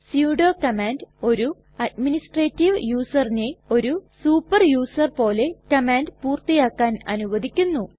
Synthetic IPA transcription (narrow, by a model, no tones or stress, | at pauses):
sjuːɖoːkɐmaːndo̞ɾu | ɐɖminisʈreːtːiʋjuːsɐrine̞o̞ɾusuːpːɐrjuːsɐrpo̞ːle̞kɐmaːndpuːrt̪ijaːkːaːnɐ̰nuʋɐd̪ikʲːunːu